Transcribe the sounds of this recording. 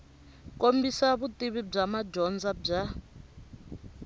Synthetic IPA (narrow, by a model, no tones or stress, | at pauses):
kʼombisaβutʼiβib͡ʐamad͡ʒɔnd͡zab͡ʐa